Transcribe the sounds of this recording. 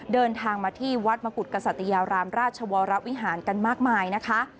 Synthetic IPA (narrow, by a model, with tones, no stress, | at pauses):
dɤː˧nt̪ʰaː˧ŋmaː˧t̪ʰiː˥˩wa˦˥t̪̚ma˧ku˨˩t̪̚ka˧sa˨˩t̪ːa˧jaː˧ɾaː˧mɾaː˥˩t̪̚t͡ɕʰa˧wɔː˧ɾa˦˥wi˦˥ɦaː˩˦nka˧nmaː˥˩k̚maː˧jna˦˥kʰa˦˥ʔ